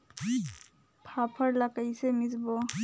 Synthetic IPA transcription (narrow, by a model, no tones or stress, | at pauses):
pʰapʰəɾləkəjsemit͡sbo